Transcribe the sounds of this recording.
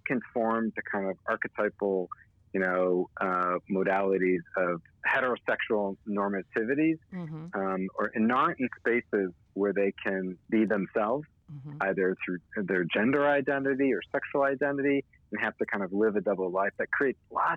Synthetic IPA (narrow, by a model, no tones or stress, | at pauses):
kʰɨ̃nfɔɹmtʰɨkʰãɪ̃ndʌvɑɹkɨtʰaɪpl̩ˠ | jɨnoʊʔmoʊɾælˠəɾizʌv̥hɛɾə˞oʊsɛkʃul̩ˠnɔɹmɨtʰɪvɨɾiz | mə˞ʔɨ̃nɑɹʔn̩speɪsɪz | wə˞ðeɪkʰɨ̃nbiðɨ̃msɛlˠvz̥ | aɪðə˞θɹʉðə˞d͡ʒɛ̃ndə˞aɪdɛ̃nɨɾiə˞sɛkʃwl̩ˠaɪdɛ̃nɨɾĩ | n̩ɦæftɨkʰãɪ̃ndʌvlɪvɨdʌbl̩ˠlaɪfðɨt̚kʰɹ̥ieɪtslɑ